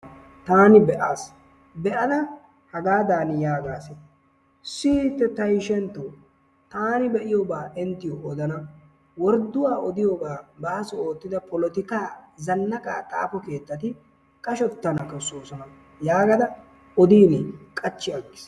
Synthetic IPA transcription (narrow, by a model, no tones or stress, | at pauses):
t̪aːnɪbɛʔaːs | bɛʔɐd̪ɐ | hɐɡaːd̪aːnɪjaːɡaːsɛ | siːt̪ːɛt̪ɐjʃɛnt̪ːoː | t̪aːnɪbɛʔɪjobaːʔɪnt̪ɪjoʔɔd̪ɐnɐ | wɔɾd̪ːʊwaːʔɔd̪ɪjoːɡaːbaːsɔo̞ːt̪ːɪd̪ɐpʰɔlɔt̪ɪkaːzɐnːɐkʼa̰ːt̪ʼa̰ːpɔke̞ːt̪ːɐt̪ɪ | kʼɐʃɔt̪ːɐnɐkɪsoːsɔnɐ | jaːɡɐd̪ɐ | ɔd̪iːnɪkʼɐt͡ʃːɪɐɡːɪ̥s